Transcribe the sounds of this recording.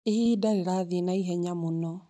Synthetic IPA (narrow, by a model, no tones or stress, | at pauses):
ehiːdaɾeɾaðenaiɦɛɲamonɔ